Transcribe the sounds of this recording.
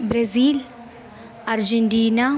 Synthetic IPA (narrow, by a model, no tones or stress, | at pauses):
bɾeziːl | ɐɾd͡ʒeɳʈiːna